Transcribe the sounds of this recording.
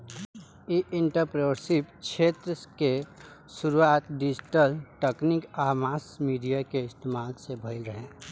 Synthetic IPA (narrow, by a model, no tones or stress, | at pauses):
iʔɪɳʈəɾpɾoɾsɪpkʃʰeːt̪ɾəke | ʃʊɾuaːt̪ɖɪd͡ʒʈəlʈeknikaːmaːsmiːɖijakeɪst̪eːmaːlsebʱəɪlɾəɦẽː